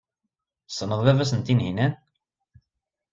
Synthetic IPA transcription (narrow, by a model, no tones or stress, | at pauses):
sənəðˤðævæs̬ənt̪inhinæn